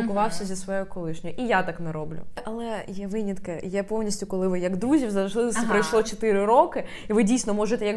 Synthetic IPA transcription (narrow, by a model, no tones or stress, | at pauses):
lkʊʋɑwsʲɐzʲɐsʋɔjojʊkɔlˠɪʃnʲɔjʊʔijat̪ɑknɛɾɔblʲʊ̰ʔɐlˠɛjɛʋɪnʲit̪kɪjɛpɔwnʲisʲtʲʊkɔlˠɪʋɪjɐɡd̪ɾuzʲiwzɐʒlˠɪst̪ʲɪpɾɐjʃlˠɔt͡ʃɔt̪ɪɾɪɾɔkɪ | iʋɪdʲijsʲnɔmɔʒɪt̪ɛjɐk